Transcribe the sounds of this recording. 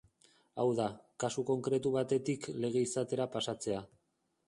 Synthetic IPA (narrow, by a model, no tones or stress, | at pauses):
awðakasuko̞ŋkɾe̞t̪uβat̪e̞t̪ikle̞ɣ̞e̞isat̪e̞ɾapasat͡se̞a